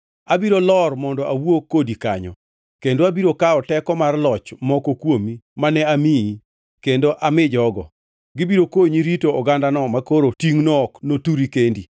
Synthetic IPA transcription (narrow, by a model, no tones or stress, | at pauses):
abiɾolɔrmɔndɔʔawwokːodikaɲɔ̰ | kendoabiɾokaɔtɛkɔmarlɔt͡ʃmɔkokwomimanɛamii | kendoʔamɪd͡ʒɔɡɔ̰ | ɡɪbiɾokoɲiɾitoɔɡandanɔmakoɾotiŋnɔːknotuɾikendi